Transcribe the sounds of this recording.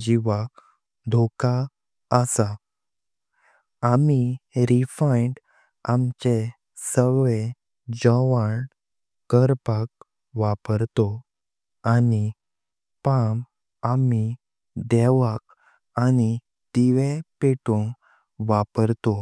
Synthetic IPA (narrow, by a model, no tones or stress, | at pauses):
d͡ʑiʋak̚ | d̪ʱoka | əsa | amiɾifaiɳɖ | amt͡ɕe | səɡʋe | d͡zəʋaɳ | kəɾpak̚ | ʋapəɾt̪ɔ | ani | pam | ami | d̪ɛʋak̚ | ani | d̪̥iʋepeʈõ | ʋapəɾt̪o